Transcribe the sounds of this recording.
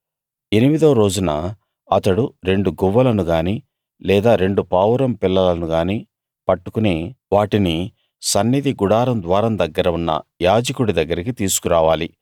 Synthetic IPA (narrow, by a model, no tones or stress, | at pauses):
e̞nimid̪ɐːɾo̞ːd͡ʒunɐ̰ | ɐt̪ɐɽuɾe̞ɳɖuɡuʋːɐlɐnuɡaːni | lɛːd̪aːɾe̞ɳɖupaːwɾɐmpilːɐlɐnuɡaːni | pɐʈːukuneʋaːʈini | sɐnːid̪iɡuɽaːɾɐmd̪ʋaːɾɐmd̪ɐɡːɐɾɐʋunːɐ̰jaːd͡ʒɐkuɽid̪ɐɡːɐɾik̬it̪iːsu̥kuɾaːʋaːli